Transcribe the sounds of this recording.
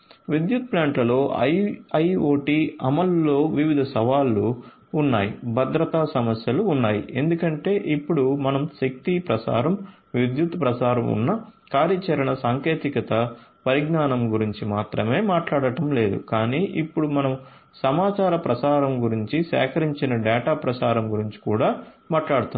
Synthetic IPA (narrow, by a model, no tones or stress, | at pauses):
ʋid̪jut̪̚plaːɳʈlɐlo̞ːɐɐjoːʈiːɐmɐlːo̞ːʋiʋid̪ʱɐsɐʋaːlːuː | nːa̰ːjibʱɐd̪ɾɐt̪aːsɐmɐsjɐluːnːaːjḭʔe̞nd̪ukɐɳʈe̞ːʔipːuɽumɐnɐmʃɐk̚t̪ipɾɐsa̰ːɾɐm | ʋid̪jut̪pɾɐsaːɾɐmṵnːɐkaːɾjɐt͡ʃɐɾɐɳɐsaːŋke̞ːt̪ikɐt̪ɐpɐɾiɡnaːnɐmɡuɾiɲt͡ʃimaːt̪ɾɐme̞ːmaːʈlaːɽɐʈɐmle̞ːd̪ṵkaːniːʔipːuɽumɐnɐm | sɐmaːt͡ʃaːɾɐpɾɐsaːɾɐmɡuɾiɲt͡ʃisɛ̰ːkɐɾiɲt͡ʃinɐɖɛːʈaːpɾɐsaːɾɐmɡuɾiɲt͡ʃi̥kuːɽaːmaːʈlaːɽut̪uni